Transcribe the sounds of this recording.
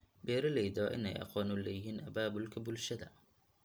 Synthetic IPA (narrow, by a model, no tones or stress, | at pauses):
bɛːɾɪlɛjðɔːʔɪ̰nɛ̰jʔɑ̰qɔːnʊlɛjɪɦiːnʔɐbaːbʊlkʰɐbʊlʃɐðɐ